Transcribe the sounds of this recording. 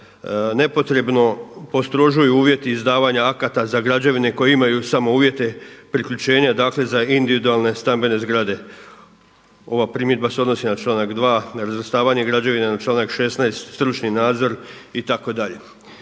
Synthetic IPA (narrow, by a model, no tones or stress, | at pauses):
ne̞po̞t̪ɾe̞bno̞po̞st̪ɾo̞ʒujuuːʋje̞t̪iːzd̪aːʋaɲaakat̪azaɡɾad͡ʑaʋine̞ko̞jeimajusamo̞uːʋje̞t̪e̞pɾikʎut͡ɕe̞ːɲad̪aːkle̞zaind̪iʋid̪ualˠne̞st̪ambe̞ne̞zɡɾad̪e̞ | o̞ʋapɾimjed̪̚baseo̞d̪no̞sinat͡ʃlaːnakd̪ʋaːɾazɾast̪aːʋaɲe̞ɡɾad͡ʑaʋinenat͡ʃlaːnakʃe̞snajst̪st̪ɾut͡ʃninaːd̪zo̞ɾit̪ako̞d̪aʎe̞